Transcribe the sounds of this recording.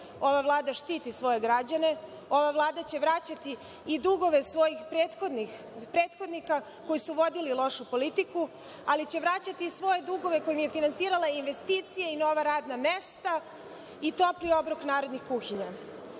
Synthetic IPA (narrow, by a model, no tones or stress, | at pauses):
o̞ʋaʋlˠaːd̪aʃt̪iːt̪isʋo̞je̞ɡɾad͡ʑane̞ | o̞ʋaʋlˠaːd̪at͡ɕe̞ʋɾat͡ɕat̪iː | d̪uɡo̞ʋe̞sʋo̞jixpɾeːt̪xod̪nix | pɾeːt̪xo̞d̪nixa | ko̞jisuʋo̞d̪ililo̞ʃupo̞lit̪iku | alit͡ɕe̞ʋɾat͡ɕat̪iːsʋo̞je̞d̪uɡo̞ʋe̞ko̞jimje̞finansiːɾalainʋe̞st̪iːt̪sijeino̞ʋaɾaːd̪namest̪a | it̪o̞plio̞bɾoknaːɾo̞d̪nixkuxiɲa